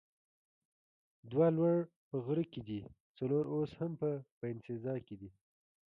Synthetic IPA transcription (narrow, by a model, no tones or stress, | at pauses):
d̪walwaɽ | pəɣɾəked̪i | t͡saloɾoshampəpəɪnsɪzɑɾked̪i